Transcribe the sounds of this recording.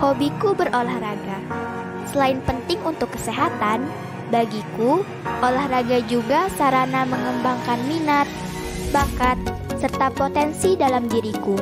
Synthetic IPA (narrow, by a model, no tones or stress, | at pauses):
hobikubərʔolahraɡa | səlaɪnpənt̪ɪŋunt̪ʊkːə̥seɦat̪an | baɡiku | ʔolahraɡad͡ʒuɡasaɾanaməŋəmbaŋkanminat̪̚ | bakat̪̚ | sərt̪apot̪ɛnsidalamdiɾiku